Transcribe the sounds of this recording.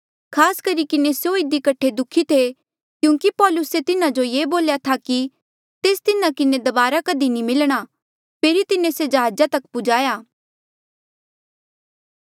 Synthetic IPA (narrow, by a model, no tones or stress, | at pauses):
kʰaːskɐɾikɪnesjoɪd̪ikɐʈʰːed̪ʊkʰːit̪ʰe | kjũːŋkipɔːlʊset̪ɪnãd͡ʒojeːboːljat̪ʰaki | t̪eːst̪ɪnãkɪned̪ɐbaːɾakɐd̪inimɪlɽ̃a | pʰeːɾit̪ɪnesed͡ʒɐɦaːd͡ʒat̪ɐkpʊd͡ʒaːjaː